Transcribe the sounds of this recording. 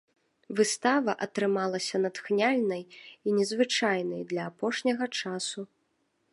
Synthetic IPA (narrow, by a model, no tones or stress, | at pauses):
vɨst̪avɐʔɐt̪ɾɨmalˠɐsʲɐnɐt̪xnʲalʲnɐjinʲɛzvɨt͡ʂajnɐjd̪lʲɐːpɔʂnʲɐɣɐt͡ʂasu